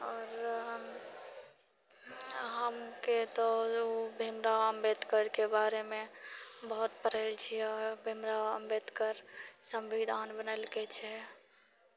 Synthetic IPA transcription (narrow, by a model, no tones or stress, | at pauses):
ɔːɾ | ɦəmket̪ɔobʱimɾaəmbed̪kəɾkebaɾemẽbəɦut̪pəɾəlt͡ʃʰiɔɾbʱimɾaəmbed̪kəɾsə̃mʋid̪ʱanbənəlɡet͡ʃʰɛ